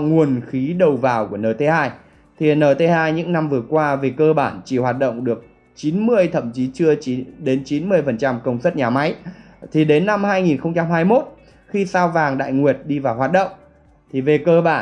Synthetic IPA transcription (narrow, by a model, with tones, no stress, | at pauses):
ŋu˨˩ənxi˨˦ɗə˨˩wvaː˨˩wku˧˩ənəː˨˩t̪ʰe˧haː˧j | t̪ʰi˨˩nəː˨˩t̪ʰe˨˦haː˧jɲɨ̰˧˥ŋna˧mvɨ˨˩əkwaː˧ve˨˩kəː˧ɓaː˧˩nt͡ɕi˧˩hwaː˨˩t̚ɗə̰˧˨wŋ͡mɗɨ˨˩ək̚ | t͡ɕi˨˦nmɨ˧əjt̪ʰə̰˧˨mt͡ɕi˨˦t͡ɕɨ˧əi˨˦ɗe˨˦nt͡ɕi˨˦nmɨ˧əjfə˨˩nt͡ɕa˧mkə˧wŋ͡msə˦˥t̚ɲaː˨˩ma˨˦j | t̪ʰi˨˩ɗe˨˦nːa˧mhaː˧jŋi˨˩nxə˧wŋ͡mt͡ɕa˧mhaː˧jmo˦˥t̚ | xi˧saː˧wvaː˨˩ŋɗa̰ː˧˨jŋwi˨˩ət̚ɗi˧vaː˨˩wɦaː˨˩t̚ɗə̰˧˨wŋ͡m | t̪ʰi˨˩ve˨˩kəː˧ɓaː˧˩